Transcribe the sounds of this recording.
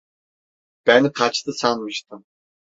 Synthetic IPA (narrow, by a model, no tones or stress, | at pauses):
b̥ænqʰat͡ʃt̪ʰɯsanmɯʃt̪ɯm